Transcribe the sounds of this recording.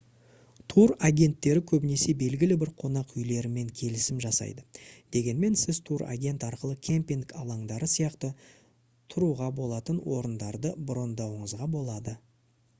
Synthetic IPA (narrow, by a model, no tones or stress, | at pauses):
t̪ʰuɾaɡʲe̞nt̪ːe̞ɾɪkʲʰɵbɪne̞se̞be̞lɡʲɪlɪbɪɾqʰo̞nɑqʏjle̞ɾɪme̞ŋkʲʰe̞lɪsɪmʒɑsɑ̰jd̪əd̪̥e̞ɡʲe̞nme̞nsɪzt̪ʰuɾa̰ɡʲe̞nt̪ɑɾqəlˠəkʲʰe̞mpiŋɡɑlˠɑɴd̪ɑɾəsijɑqt̪ə | t̪ʰʊɾuʁɑbo̞lˠɑt̪ənwo̞ɾənd̪ɑɾd̪əbʊɾo̞nd̪ɑwəɴəzʁɑbo̞lˠɑd̪ə